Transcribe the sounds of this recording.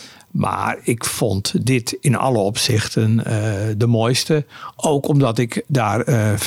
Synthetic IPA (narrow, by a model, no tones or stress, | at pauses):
mʔa̰rɪkfɔntdɪtɪnɔ̰lˠəɔpsɪxtəndəmojstəʔoːkɔmdɔtɪkdaːr